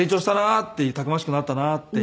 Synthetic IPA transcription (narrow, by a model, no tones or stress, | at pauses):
eːt͡ɕoːɕi̥t̪anat̪ːe̞ɯ̟t̪akɯ̟maɕ̬i̥kɯ̟nat̪eːanat̪ːe